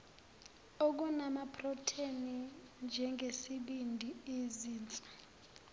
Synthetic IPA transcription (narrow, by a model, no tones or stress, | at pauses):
ok̬unamapʰrɔtʰeni | nd͡ʒʱɛŋɡʱesiɓindʱieziːnt͡sʼu̥